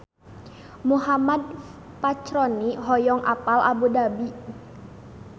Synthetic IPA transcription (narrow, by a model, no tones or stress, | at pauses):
muɦamad̚ | pat͡ʃɾɔniɦɔjɔŋʔa̰palʔa̰budabi